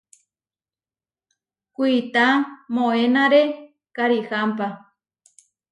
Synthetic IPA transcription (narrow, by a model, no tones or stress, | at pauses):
kʷit̪amõenaɾe | kaɾihampa